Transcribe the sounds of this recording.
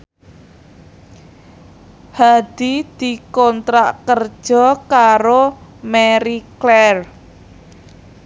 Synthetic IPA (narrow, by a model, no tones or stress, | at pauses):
had̪̥id̪̥i̤kɔnt̪ɾaʔkər̥ʒ̥ɔ̤kaɾomɛɾiklɛr